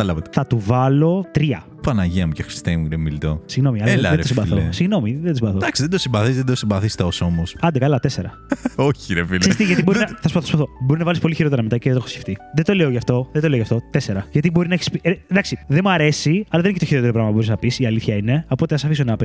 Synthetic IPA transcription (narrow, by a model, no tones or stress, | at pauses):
ɐt̪ɐlɐvɐt̪e̥θɐt̪uvɐlo̞t̪ɾiɐ̰ | pɐnɐʝiɐmcexɾi̥st̪ejmɡɾemilt̪osiɣno̞miɐlelðeɾeosimbɐθosiɣno̞miðend̪simbɐθod̪ɐksiðed̪osimbɐθizðed̪osimbɐθist̪eosomosɐnd̪ekɐlɐt̪eseɾɐ | oçiɾefilsest̪iʝɐt̪ibo̞ɾinɐθɐspɐoospɐθobo̞ɾinɐvɐlispoliçiɾo̞t̪eɾɐmet̪ɐceðet̪oxosceft̪iðet̪oleoʝɐft̪o̞ðet̪oleoʝɐft̪o̞t̪ese̞ɾɐʝɐt̪ibo̞ɾinɐeçi̥spid̪ɐksiðemuɐɾe̞siɐlɐðeniecet̪oçiɾot̪eɾopɾɐmɐpubo̞ɾiznɐpisiɐliθçɐine̞o̞po̞t̪eɐsɐfisonɐp